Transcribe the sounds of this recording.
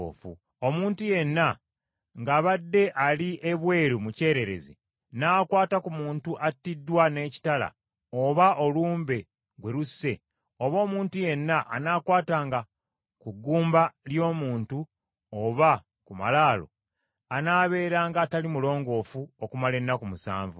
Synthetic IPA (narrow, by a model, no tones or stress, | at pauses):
fṵ | o̞muːntuje̞nːa | ŋɡaːβadːe̞ʔaliʔeβwe̞ːɾumuce̞ːɾe̞ɾe̞̰zḭ | naːkwaːtakumuːntuʔatːidːwane̞ːci̥tala̰ | oβaʔo̞luːmbe̞ | ɡwe̞ɾusːe̞ | o̞βo̞ːmuːntuje̞nːaʔa̰naːkwaːtaːŋɡa | kuɡːuːmbaljo̞ːmuːntu | oβa | kuma̰laːlo̞̰ | anaːβe̞ːɾaːŋɡaːtalimulo̞ːŋɡo̞ːfuokumale̞nːakumusa̰ːɱvṵ